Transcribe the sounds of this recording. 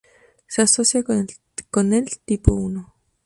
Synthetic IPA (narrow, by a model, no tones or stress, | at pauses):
seasosja | konelt̪ipouno